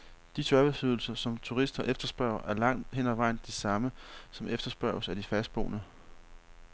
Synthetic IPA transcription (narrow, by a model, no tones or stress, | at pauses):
d̥isʰɶɐʋesyðˠl̩sɐsɒ̽mt͡sʰuʁisd̥ɐʔefd̥ɐsb̥ɶɐ̰ɐʔæɐlɑ̈ŋ̰d̥ɦen̰ɒʋɑ̈ɪ̰nd̥isɑ̈məsɒ̽mefd̥ɐsb̥ɶɐsæd̥ifæsd̥̚b̥oːnə